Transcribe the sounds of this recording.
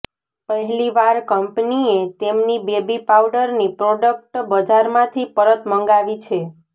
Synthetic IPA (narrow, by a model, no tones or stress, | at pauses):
pəɦɛliʋaɾkəmpniet̪emnibebipawɖəɾnipɾoɖək̚ʈbəd͡ʒaɾmãt̪ʰipəɾət̪məŋɡaʋit͡ʃʰe